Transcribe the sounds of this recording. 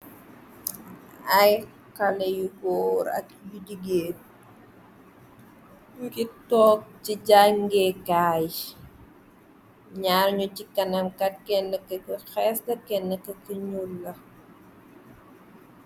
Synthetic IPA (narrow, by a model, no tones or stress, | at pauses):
ɐj | kɐlɛjuɡɔːɾɐ̰k̚juɟiɡeːt̚ | kitɔːk̚ciɟaŋɡɛkaːj | ɲaːlɲucikɐnɐmkɐt̚kɛnːəkɐkxɛsdɐkɛnːəkɐkiɲulːɐ